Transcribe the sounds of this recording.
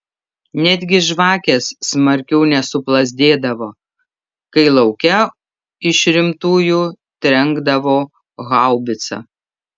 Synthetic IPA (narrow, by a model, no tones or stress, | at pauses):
nʲæd̪ʲɡʲɪʒʋɑːkʲeːsːmɐɾʲkʲɛʊnʲɛsʊplˠɐzʲd̪ʲeːd̪ɐʋoː | kɐɪlˠɐʊkʲɛ | ɪʃɾʲɪmt̪uːjuː | t̪ʲɾʲɛŋɡd̪ɐʋoː | ɣɑˑʊbʲɪt̪sɐ̰